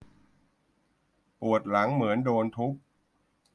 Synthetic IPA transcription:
pu˨˩ət̪̚la˩˦ŋmɯ˩˦əndoː˧nt̪ʰu˦˥k̚

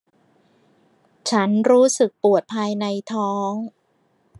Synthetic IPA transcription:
t͡ɕʰa˦˥nɾuː˦˥sɯ˨˩k̚pu˨˩ət̪̚pʰaː˧jna˧jt̪ʰɔː˦˥ŋ

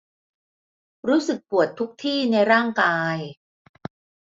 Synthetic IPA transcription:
ɾuː˦˥sɯ˨˩k̚pu˨˩ət̪ʰːu˦˥k̚t̪ʰiː˥˩na˧jɾaː˥˩ŋkaː˧j

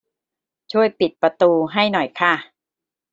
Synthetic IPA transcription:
t͡ɕʰu˥˩əjpi˨˩t̪̚pɾa˧t̪uː˧ɦa˥˩jnɔ˨˩jkʰa˥˩

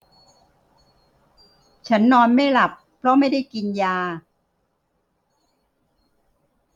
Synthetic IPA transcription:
t͡ɕʰa˦˥nːɔː˧nma˥˩jla˨˩pʰːɾɔ˦˥ma˥˩jda˥˩jki˧njaː˧

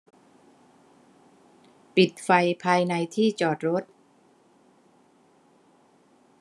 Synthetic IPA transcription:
pi˨˩t̪̚fa˧jpʰaː˧jna˧jt̪ʰiː˥˩t͡ɕɔː˨˩t̪̚ɾo˦˥t̪̚

